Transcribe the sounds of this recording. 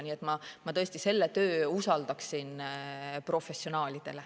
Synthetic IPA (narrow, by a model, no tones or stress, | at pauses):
niːe̞t̪mɑmɑt̪ɤ̞esʲt̪ise̞lːe̞t̪øːusɑld̪ɑksinpro̞fe̞sːio̞nɑːlʲid̪̥e̞le